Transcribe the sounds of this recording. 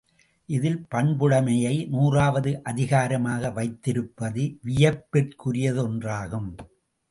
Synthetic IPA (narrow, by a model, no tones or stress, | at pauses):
ʔɪðɪlpɐɳbɯɽɐmɐjɐɪnuːraːʋɐðɯʔɐðɪɣaːɾɐmaːɣɐʋɐɪt̪ːɪɾɯpːɐðɯʋɪjɐpːɪrkʊɾɪjɐðɯɔndraːɣɯm